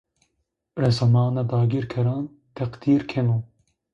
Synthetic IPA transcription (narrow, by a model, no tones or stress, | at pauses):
ɾɛzɐmɑːnad̪ɑːɡiɾkʰɛɾɑːn | t̪ʰɛqd̪̥iːɾkʰɛnuː